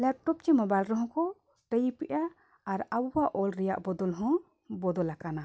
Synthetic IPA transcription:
lɛp̚ʈɔp̚t͡ʃɛmɔbajlɾɔɦɔ̃kɔ | ʈəjipɛʔaː | ɾabuwaʔɔlɾɛja̰ʔbɔd̪ɔlɦɔ̃ | bɔd̪ɔlakana

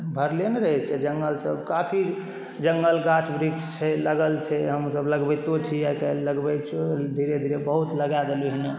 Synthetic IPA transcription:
bʱəɾlenɾəɦɛt͡ʃʰɛd͡ʒəŋɡəlsəbkapʰi | d͡ʒəŋɡəlɡat͡ʃʰbɾiɡst͡ʃʰɛləɡəlt͡ʃʰɛɦəmusəbləɡbet̪ot͡ʃʰiakeləɡbɛt͡ʃʰed̪ʱiɾed̪ʱiɾebəɦut̪ləɡad̪elɦine

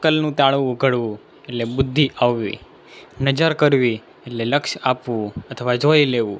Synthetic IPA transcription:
kəlnũt̪aɭũɡʱəɽʋũ | eʈlebʊd̪ʱːiʔaʋːḭ | nəd͡ʒəɾkəɾʋi | eʈleləkʃapʋũət̪ʰəʋad͡ʒojleʋṵ̃

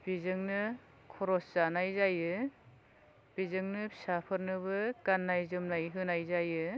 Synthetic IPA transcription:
b̥izɯŋnɯ | kʰɔɾɔszanajzajɯ | b̥izɯŋnɯpsapʰɯɾnɯβɯkanːajzɯmnajɦɯnajzajɯ

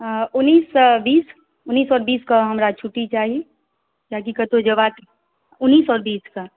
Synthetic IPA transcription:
ʊnːiːsbiːs | ʊnːiːsɔːɾbiːskaɦɐmɾat͡ʃʰʊʈːit͡ʃaːɦie | d͡ʒaːk̬ikɐt̪ʰod͡ʒɐʋaːk̪i | ʊnːiːsɔːɾbiːska

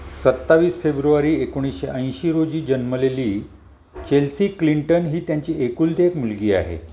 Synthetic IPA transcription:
sət̪ːaʋiːsfebɾuʋaɾiːekoɽ̃isɕeʔə̃j̃ɕiːɾod͡ʑiːd͡ʑənməleliː | t͡ɕelsiːkliɳʈənɦiːt̪jaɲt͡ɕiːekuːld̪ekmulɡiːa̰ɦḛ

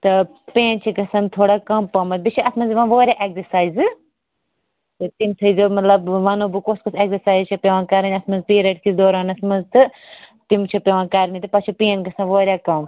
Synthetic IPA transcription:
t̪ɐ | peːnt͡ʃʰikɐsɐnt̪ʰoːɽakɐmpɐmɐt̪̚bit͡ʃʰiɐsmɐnzʋɐnʋoːɾʲjaːʔekzɐɾsaːjzɨ | t̪ɨt̪imt̪ʰɐzomɐt̪lɐbʋɐnoːbɨkoskoseksɐsaːjzt͡ʃʰɐpʲeʋãːkɐɾɐnʲɐsmɐnzpiːɾeʈkid̪oːɾaːnɐsmɐnzt̪ɨ | t̪imt͡ʃʰɐpʲeʋãːkɐɾmit̪ɨpɐt͡ʃʰipeːnkɐsɐ̃nʋoːɾʲjaːkɐm

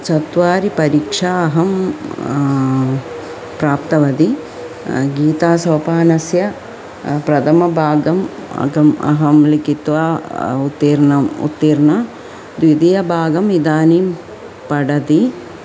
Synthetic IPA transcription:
t͡ʃɐt̪ʋaːɾipɐɾiːkʂaɐɦɐm | pɾaːpt̪ɐʋɐd̪i | ɡiːt̪aːsɐːpaːnɐsjɐ | pɾɐt̪ʰɐmɐbʱaːɡɐm̰ɡɐmɐ̰ɦɐmlikit̪ʋaːut̪ːiːɾnɐmṵt̪ːiːɾnɐ | d̪ʋid̪ijɐbʱaːɡɐmid̪aːniːm | pɐɽɐd̪i

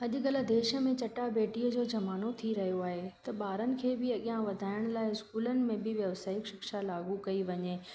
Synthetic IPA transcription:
ɐʄʊ̆ɡɐlə̆d̪eːʃə̆mẽt͡ɕɐʈabeːʈiːəd͡ʑoːd͡ʑɐmaːnot̪ʰiɾɐɦijoaːɦet̪ɐɓaːɾənɪ̆kʰeːbɪɐɠjãʋɐd̪ʱaːɪɽ̃laːɪɪskuːlənɪ̆mẽbɪʋjɐʋsaːɪkʃɪkʃalaːɡukɐiʋɐɲeː

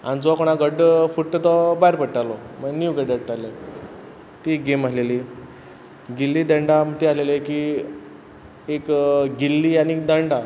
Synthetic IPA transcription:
a̰nid͡zɔkoɽ̃aɡəɖfuʈʈ̪ːət̪ɔbaɦiɾpəɽʈalɔmənjuʋɡəɖəɽʈale | t̪iɡemaleliː | ɡilːiːd̪əɳɖam̤ət̪ealeleki | ekɡilːianik̚d̪əɳɖa

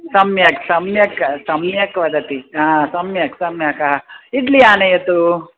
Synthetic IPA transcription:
sɐmjɐksɐmjɐkɐsɐmjɐkʋɐd̪ɐt̪iãːsɐmjɐksɐmjɐkɐɦɐiʈ̪lijaːnɐjɐt̪u

